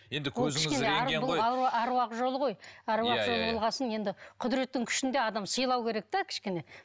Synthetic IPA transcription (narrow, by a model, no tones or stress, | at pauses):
jend̪ɪwoɪʃkeneæɾblˠɑɑɑɾwɑqʒo̞lˠəʁo̞jæɾwɑqʒo̞lˠbolˠʁɑsənje̞nd̪ɪqʰʊd̪ɾe̞t̪ːɪŋkʲʰʏ̥ʃɪnd̪e̞ɑd̪ɑmsəjlˠɑwkʲʰe̞ɾe̞k̚t̪ekʲʰɪ̥ʃkʲe̞ne̞